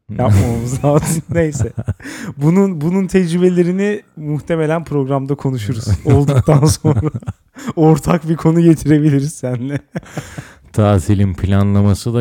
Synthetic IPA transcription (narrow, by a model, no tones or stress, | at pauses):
jaomuzaːt̪ɯnne̞jsɛbununbununt̪ʰɛd͡ʒɾibe̞lʲe̞ɾinimuxt̪ʰe̞me̞lʲænpʰɾo̞ɡɾamd̪akʰo̞nuʃuɾuz̥olˠd̪uk̚t̪ʰanso̞nɾaa | oɾt̪ʰakbikʰo̞nuɟe̞t̪ʰiɾe̞bilʲiɾiz̥sænlɛ | t̪ʰaːzilʲinpʰilʲanlˠamasɯd̪a